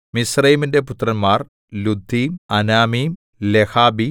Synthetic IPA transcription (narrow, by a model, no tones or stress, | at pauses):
misrɐjminde̞put̪ːrɐnmaːr | lud̪ʱːiːmɐnaːmiːm | lehaːbi